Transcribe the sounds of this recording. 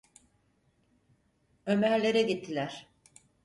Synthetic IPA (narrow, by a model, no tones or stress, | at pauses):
ø̞mæɾlʲe̞ɾɛɟit̪ʰːilʲæɾ̥